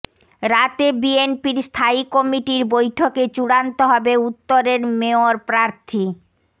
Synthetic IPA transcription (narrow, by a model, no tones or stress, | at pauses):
ɾat̪ebienpiɾst̪ʰaikɔmiʈiɾbojʈʰoket͡ɕuɽant̪oɦɔbeut̪ːoɾeɾmeoɾpɾaɾt̪ʰi